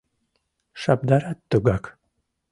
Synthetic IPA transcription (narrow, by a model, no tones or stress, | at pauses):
ʃab̚d̪aɾat̪ːoɡak